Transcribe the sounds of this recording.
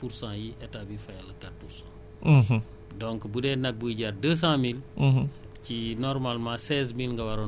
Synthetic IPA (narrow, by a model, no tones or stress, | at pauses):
puɾsãːjiʔɛtabifɐjalɐkat̚puɾsã̰ | dɔ̃ŋkbudɛnɐk̚buɟaɾdəs̬ãːmil | cinɔɾmalmãsɛːz̬milŋɡɐwaɾɔ